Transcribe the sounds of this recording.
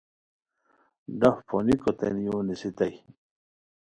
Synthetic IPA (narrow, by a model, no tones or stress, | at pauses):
ɖafpʰonikot̪ḛnjuːnisit̪ɐj